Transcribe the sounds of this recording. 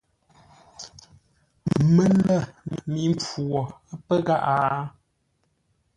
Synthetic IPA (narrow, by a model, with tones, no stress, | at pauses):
mə˦lə˦˨m˨mi˨˦mp͡fu˨ɔ˨a˦pə˦ɣa˦ʔaː˨